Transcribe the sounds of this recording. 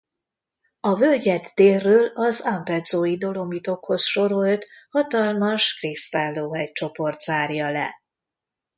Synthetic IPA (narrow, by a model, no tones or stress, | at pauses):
ɒvølɟɛt̪ːeːrrːøːlɒzampɛd̪zoːjid̪o̞lo̞mit̪o̞kho̞sʃo̞ɾo̞lt̪hɒt̪ɒlmɒʃkrist̪aːlːoːɦɛc̚t͡ʃo̞po̞rt̪z̥aːrjɒlɛ̰